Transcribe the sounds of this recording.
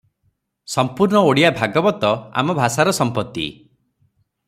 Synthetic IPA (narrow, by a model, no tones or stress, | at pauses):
sɔmpuɾɳɔoɽijabʱaɡɔbɔt̪ɔa̰mɔbʱasaɾɔsɔmpɔt̪ːḭ